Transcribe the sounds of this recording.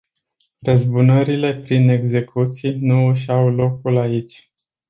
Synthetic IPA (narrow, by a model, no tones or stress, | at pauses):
rəzbunəɾile̞pɾine̞ɡze̞kʰut̪sijnuɨʃawlo̞kulait͡ʃʲ